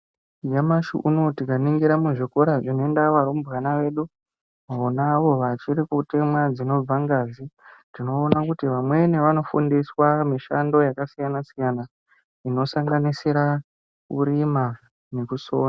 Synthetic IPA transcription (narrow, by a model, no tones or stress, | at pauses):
d͡ʒamaʃṵʔuno̞tikaniŋɡiɾamuʐiko̞ɾaʐinoe̞ndaʋaɾomubɣanaʋe̞ːɗu | aonaːʋo̞ʋat͡ʃiɾikutemwad͡zino̞b͡vaŋɡaːzitino̞ːnakutiʋamwe̞neʋano̞fṵndiswamiʃando̞jakasijanasijana | ino̞saŋɡanisiɾa | ṵɾima | ne̞kusoːna